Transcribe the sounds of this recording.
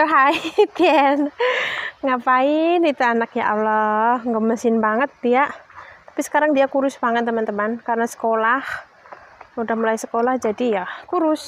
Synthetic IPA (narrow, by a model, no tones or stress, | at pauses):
əɦait̪iɛn | ŋapainit̪əanakja̰ʔalɔhŋɡəməsɪnbaŋət̪̚dijaʔt̪ḁpisə̥kaɾaŋdiakuɾʊsbaŋət̪nt̪əmant̪əmankarənasə̥kolah | udahmulaisə̥kolahd͡ʒadijakuɾʊs